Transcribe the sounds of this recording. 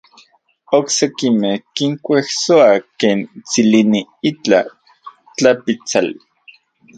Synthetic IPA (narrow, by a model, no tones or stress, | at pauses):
oksekimehkiŋkʷehsoakeːnt͡siliniit͡ɬa̰ | t͡ɬapit͡sali